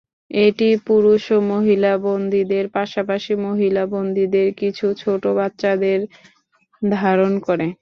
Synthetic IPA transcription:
eʈipuɾuʃomoɦilabond̪ʱid̪eɾpaʃapaʃimoɦilabond̪ʱid̪eɾkit͡ɕʰut͡ɕʰoʈobat̪ːʃad̪eɾ | d̪ʱaɾonkoɾe

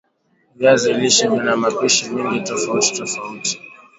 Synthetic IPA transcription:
vaziiliʃaminamapiʃimiŋɡitɔfauti̥tɔfauti̥

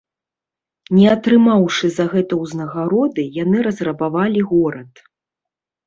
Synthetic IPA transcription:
nʲɛat̪ɾɨmawʂɨzɐɣɛt̪ɐwznɐɣaɾɔd̪ɨjanɨɾɐzrɐbavalʲiɣɔɾɐt̪

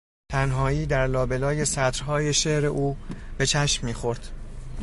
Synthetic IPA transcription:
t̪ʰænɦɒːiːd̪æɾlɒːbe̞lɒːje̞sæt̪ɾɦɒːje̞ʃeʔɾe̞ʔuːb̥e̞t͡ʃʰæʃmːiːxo̞ɾd̪̥

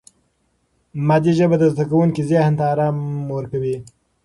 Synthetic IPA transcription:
mad̪iʒəbad̪əzd̪akawuŋkizjahnt̪aːɾɑmwəɾkawi

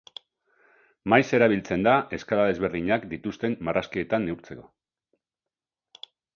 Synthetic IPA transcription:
majse̞ɾaβ̞ilt͡se̞nd̪ae̞skalaðe̞zβe̞ɾðiɲakd̪it̪ust̪e̞mmaraskie̞t̪anːeuɾt͡se̞ko̞

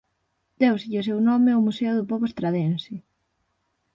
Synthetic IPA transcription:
d̪̥ewsiʎos̬ewnɔmeʊmuseʊðʊpɔβoest̪ɾaðensɪ

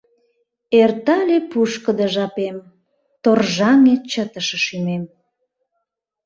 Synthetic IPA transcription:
ert̪ɑlʲepuʃkəd̪əʒɑpem | t̪orʒɑŋet͡ɕət̪əʃəʃymem

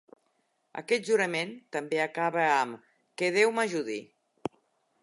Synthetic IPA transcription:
ə̰kɛt̪̚ʒuɾəment̪əmbeəkaβəəm | keðewmaʒuði

